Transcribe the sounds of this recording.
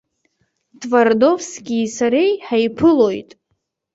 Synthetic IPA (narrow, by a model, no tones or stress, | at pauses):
tʰʼvardo̞vskʲiːsaɾejħajpʰɨlo̞jtʼ